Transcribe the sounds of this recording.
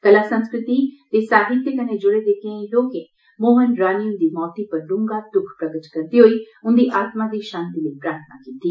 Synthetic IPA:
kəlasə̃nskɾɪt̪it̪eːsaːɦɪt̪ːjəkəned͡ʒʊɽed̪eːkẽĩloːkẽ | moːmənɾaːniənd̪iːmɔːt̪ipəɾlʊ̃ŋɡad̪ʊkʰpɾɐɡət͡ʃkɐɾd̪iɦoi | ʊnd̪iːʔaːt̪mad̪iːʃãːnt̪iləipɾaːɾt̪ʰəna̰kiːt̪iː

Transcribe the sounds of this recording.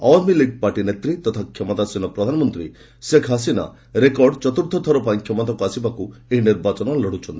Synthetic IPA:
awamiliɡ̚paɾʈinet̪ɾit̪ɔt̪ʰakʰjɔmɔt̪asinɔpɾɔd̪ʱanɔmɔnt̪ɾi | sekʰɦas̬ina̰ | ɾekɔɾɖt͡ʃɔt̪uɾt̪ʰɔt̪ʰːɔɾɔpaj̃kʰjɔmɔt̪akuasibakueɦiniɾbat͡ʃɔnɔlɔɽut͡ʃʰɔnt̪ii

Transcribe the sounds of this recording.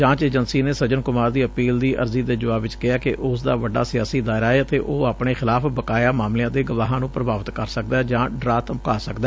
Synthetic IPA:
d͡ʒãːt͡ʃeːd͡ʒənsiːneːsəd͡ʒənkʊmaːɾd̪iːəpiːld̪iːʔə̰ɾziːd̪eːd͡ʒʊʋaːbɪt͡ʃkɪaːkeʔʊsd̪aːʋəɖa̰ːsɪjaːsiːd̪aːɪɾaːeət̪eːʔoːapɳeːxɪlaːpbəkaːjaːmaːmlɪjãːd̪eːɡəʋaːɦãːnũːpɾəbaːʋət̪kəɾsək̚d̪aːd͡ʒãːɖɾaːt̪əmkaːsəkd̪ɛː

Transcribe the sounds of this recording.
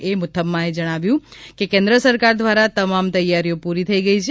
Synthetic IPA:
emʊt̪ʰːəmːãed͡ʒəɽ̃aʋjũkekẽnd̪ɾəsəɾkaɾd̪ʋaɾat̪əmamt̪əjːaɾijopuɾit̪ʰəiɡəit͡ʃʰe

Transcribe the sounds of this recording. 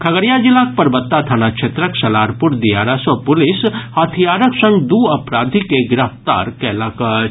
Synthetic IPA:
kʰɐɡəɽjad͡ʒɪlaːk̚pɐɾbət̪ːat̪ʰanakt͡ʃʰet̪ɾəksɐlaːɾpʊɾd̪ijaːɾasɔpʊlɪshaːt̪ʰijaːɾəksɐ̃ŋɡd̪uɐpɾaːd̪ʱikeɡɾəft̪a̰ːɾkɛːlakə

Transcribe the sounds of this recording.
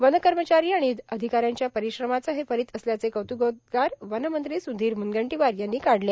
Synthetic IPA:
ʋənəkəɾmət͡ɕaɾiːaɽ̃id̪əd̪ʱikaɾjaɲt͡ɕjapəɾiɕɾəmat͡səɦefəɾiːt̪əsljat͡sekəwt̪uɡot̪ɡaɾʋənəmənt̪ɾiːsund̪iːɾmunɡəɳʈiʋaɾjanːiːkaɽle

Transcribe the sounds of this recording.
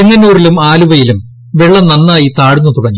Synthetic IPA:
eŋːɐnuːrilumaːluʋɐjilum | ʋeɭːɐnɐnːaːjit̪aːɻunːut̪uɽɐɲːu

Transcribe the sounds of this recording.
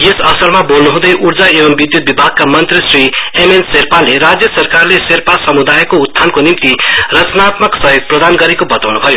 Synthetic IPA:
ɡesʌsʌrmabolnuɦũd̪ʌjʔurd͡zaebʌmbid̪jut̪̚bibʱaɡ̚kamʌnt̪risriemenserpaleɾad͡zjʌsʌrkarleserpasʌmud̪ajekoud̪ʰʱːankonimt̪irʌt͡snat̪mʌksʌjoɡ̚prʌd̪anɡʌɾekobʌt̪awnubʱʌjo

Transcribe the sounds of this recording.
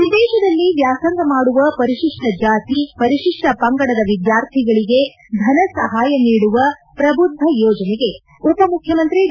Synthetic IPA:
ʋid̪ɛːʃɐd̪ɐlːiʋjaːsɐŋɡɐmaːɽuʋɐpɐɾiʃiʂʈɐd͡ʒaːt̪ipɐɾiʃiʂʈɐpɐŋɡɐɽɐd̪ɐʋid̪jaːɾt̪ʰiɡɐɭiɡe̞ | d̪ʱɐnɐsɐɦaːjɐniːɽuʋɐpɾɐbud̪ʱːɐjɔːd͡ʒɐnɛɡe̞ | up̪ːɐmukʰjɐmɐnt̪ɾi

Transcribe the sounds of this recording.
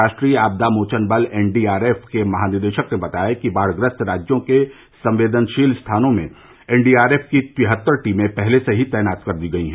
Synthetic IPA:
aːʃʈɾiːaːb̚d̪amoːt͡ʃənbəleːnɖiːaːɾeːfkemɐɦaːnɪɾd̪eːʃəknebɐt̪aːekibaːɽɡɾə̃t̪ʰɾaːd͡ʒjõke | sɐ̃mʋeːd̪ənʃiːlst̪ʰaːnõmẽ | ɛːɳɖiːaːɾeːfkitɪɦət̪ːəɾʈiːmẽpɛɦleseɦit̪ɛːnaːt̪kɐɾd̪iːɡɐiɦɛ

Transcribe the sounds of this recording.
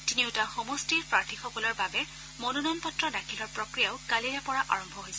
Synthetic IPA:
tiniʊtaxɔmɔstiɹpɹaɹtʰixɔkɔlɔɹbabɛ | monunɔnpɔtɹɔdakʰilɔɹpɹɔkɹijaʊkaliɹapɔɹaʔaɹɔmbʱɔɦojsɛ

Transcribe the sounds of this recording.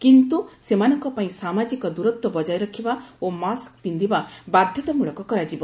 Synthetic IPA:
kint̪usemanɔŋkɔpaĩsamad͡ʒikɔd̪uɾɔt̪wɔbɔd͡ʒajɾɔkʰibaomaskbind̪ʱibabad̪ʱjɔt̪ɔmuɭɔkɔkɔɾad͡ʒibɔ

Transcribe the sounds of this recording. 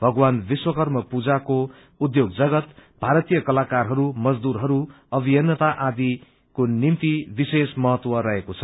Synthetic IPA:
bʱʌɡwanbiswʌkʌrmʌpud͡zako | ud̪joɡd͡zʌɡʌt̪bʱaɾʌt̪ijʌkʌlakarɦʌɾumʌd͡zd̪uɾɦʌɾu | ʌbijʌnːʌt̪aʔad̪i | konimt̪ibisesmʌɦʌt̪wʌrʌɦekot͡sʰʌ̥

